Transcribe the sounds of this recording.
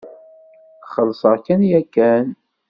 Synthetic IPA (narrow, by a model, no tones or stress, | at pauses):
χəlːsˤəʁkænjækːæn